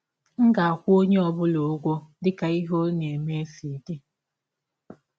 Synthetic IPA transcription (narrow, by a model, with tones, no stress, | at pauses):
ŋ̩˦ɡa˨a˨kʷu˦o˦ɲe˦ɔ˨bʊ˦lo˨˦ɡʷo˦dɪ˦ka˨i˦ɦo˦ne˨me˦fi˨de˦